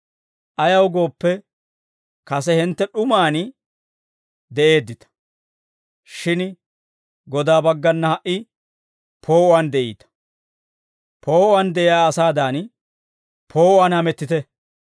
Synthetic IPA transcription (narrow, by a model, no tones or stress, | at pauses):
ʔɐjɐwɡo̞ːpːɛ | kɐs̬ɛhɛnt̪ːɛɗʊmaːn | d̪ɛʔe̞ːd̪ːɪt̪ɐ̥ | ʃɪn | ɡɔd̪aːbɐɡːɐnːɐhɐʔɪ | pʰo̞ːʔʊaːnd̪ɛʔḭːt̪ɐ̥ | pʰo̞ːʔʊaːnd̪ɛʔɪjaːɐsaːd̪aːn | pʰo̞ːʔʊaːnhɐmɛt̪ːɪt̪ɛ